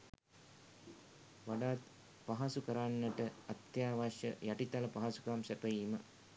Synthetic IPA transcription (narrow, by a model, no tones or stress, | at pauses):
ʋaɖaːt̪ | paɦasukəɾanːəʈəat̪jaːʋaʃjə̰jaʈit̪aləpaɦasu̥kamsɛpəjiːmə